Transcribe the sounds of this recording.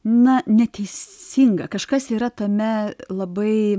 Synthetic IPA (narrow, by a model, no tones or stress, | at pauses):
nɐnʲɛt̪ʲɛɪsʲiːŋɡɐkɐʃkɐsiːɾɐt̪ɐmʲɛlˠɐbɐɪ